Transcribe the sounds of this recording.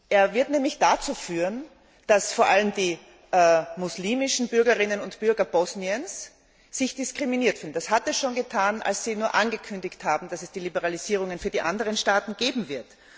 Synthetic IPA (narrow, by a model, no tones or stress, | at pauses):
ʔeːɐvɪɐtnɛːmlɪçd̥at͡suːfyːʁən | d̥asfoːɐʔaləmd̥iː | mʊsliːmɪʃn̩bʏɐɡɐʁɪnənʊntb̥ʏɐɡɐb̥ɔsniənsː | ɪçd̥ɪskʁ̥iminiːɐtfyːln̩d̥ashatɛsʃoːnɡətʰaːna̰lssiːnuːɐʔanɡəkʰʏndɪçthaːbm̩d̥asɛsd̥iːlibɛʁaliz̥iːʁ̞ʊŋənfyːɐdiːʔandəʁ̞ənʃtaːtn̩ɡ̥eːbm̩vɪɐt